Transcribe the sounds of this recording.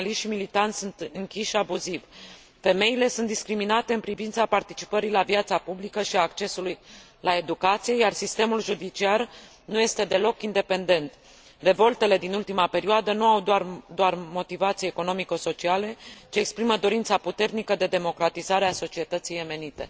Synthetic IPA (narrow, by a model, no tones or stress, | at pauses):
liʃt̪ʃimilit̪ant̪sunt̪ɨŋkʲiʃʃiabuziv | fe̞me̞ile̞sunt̪d̪iskɾiminat̪e̞ɨnpɾivint̪sapart̪it͡ʃi̥pəɾilavjat̪sapublikəʃiaːkt͡ʃe̞suluj | lae̞d̪ukat̪sije̞jarsist̪e̞mulʒud̪it͡ʃiar | nuje̞st̪e̞d̪e̞lo̞kind̪e̞pe̞nd̪e̞nt̪ | re̞vo̞lt̪e̞le̞d̪inult̪imape̞ɾioad̪ənuawd̪oard̪oarmo̞t̪ivat̪sieeko̞no̞mikoso̞t͡ʃiale̞t͡ʃiekspɾiməd̪o̞ɾint̪saput̪e̞rnikəd̪e̞d̪e̞mo̞kɾat̪izaɾeaso̞t͡ʃie̞t̪ət̪sije̞me̞nit̪e̞̰